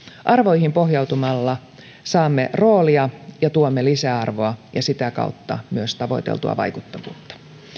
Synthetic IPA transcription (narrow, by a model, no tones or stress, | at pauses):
ʔɑrʋo̞jhimpo̞hjɑwt̪umɑlːɑ | sɑːmːero̞ːliɑjɑt̪uomːelisæɑrʋo̞ɑjɑsit̪ækɑ̰ut̪ːɑ̰myøst̪ɑʋo̞̰it̪ḛlt̪uɑ̰ʋɑ̰jkut̪ːɑkṵnt̪ːɑ̥